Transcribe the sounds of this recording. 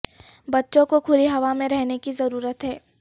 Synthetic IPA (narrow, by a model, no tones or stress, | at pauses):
bɐtːʃõkokʰʊliɦɐʋamẽɾɛɦnekizɐɾuːɾət̪ɦɛː